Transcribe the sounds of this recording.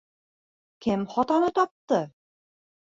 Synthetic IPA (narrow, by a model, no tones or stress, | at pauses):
kɘmχɒt̪ɑnɤt̪ɒp̚t̪ɤ